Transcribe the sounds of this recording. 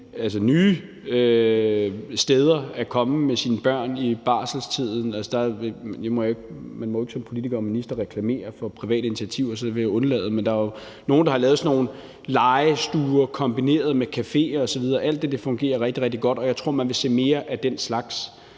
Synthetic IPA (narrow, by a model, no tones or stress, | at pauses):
ælsənyː | ø | sd̥eːð̞ˠɐækʰɒ̽məmesiːnəb̥ɶɐ̰nib̥ɑ̰̈ːsl̩st͡sʰið̞̰ˠn̩ælsəd̥ɑ̈ʋejamɒjeɡ̥mænmɒ̽oe̝ɡ̥sɒ̽mpʰo̝lit͡sʰiɡ̥ɐ̽ːminisd̥ɐʁɛkʰlæme̝̰ːɐfɒ̽pʰʁiʋɛ̰ːd̥əinit͡sʰiæt͡sʰiʊ̰ɒsɒd̥eʋejaɔ̽nlɛ̰ːð̞̩ˠmend̥ɑ̈æjo | no̝ːnd̥ɑhɑlɛːðˠsno̝ːn̩ | lɑ̈ɪsd̥uːɐkʰɒ̽mb̥ine̝̰ːɐðˠmekʰæfe̝̰ːɐːsɒʋið̞ˠɐːʔæl̰d̥e̝d̥e̝fɔ̽ŋɡ̥e̝̰ːɐʁɛɡ̥d̥iʁɛɡ̥̚d̥iɡ̥ɒ̽d̥ɒ̽jɑ̈ɪt͡sʰʁo̝ɐ̰mænʋe̝se̝̰ːme̝ːɐʔæd̥enslɑ̈ɡ̥s